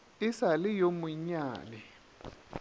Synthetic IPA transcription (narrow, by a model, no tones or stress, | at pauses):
ɪsalɪjomʊɲaːnɛ